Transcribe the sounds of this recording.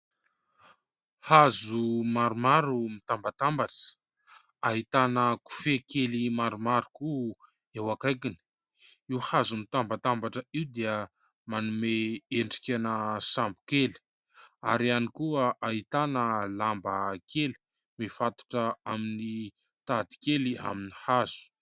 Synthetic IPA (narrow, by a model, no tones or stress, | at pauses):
hazumaɾumaɾumit̪ambat̪ambaʈ͡ʂə̥ | aɦit̪anəku̥fekelimaɾumaɾuku | ewakajkini̥ | iwhazumit̪ambat̪ambaʈ͡ʂəiwd̪eə | manumeeɳɖ͡ʐi̥kʲanəsambu̥keli̥ | a̰ɾianikuəʔaɦit̪anəlambəkeli̥ | mefat̪u̥ʈ͡ʂəamini | t̪ad̪i̥kelia̰minihazu̥